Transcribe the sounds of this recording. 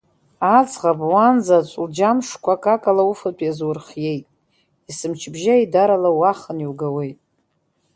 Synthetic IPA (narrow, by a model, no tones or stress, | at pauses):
at͡sʼʁabwanzat͡ʃʷʼld͡ʒamʂkʷʰakʼakʼalaufatʰʼjazwʊrχje̞jtʼ | isɨmt͡ʃʰbʒaidaɾalawaχəniwɡawe̞jtʼ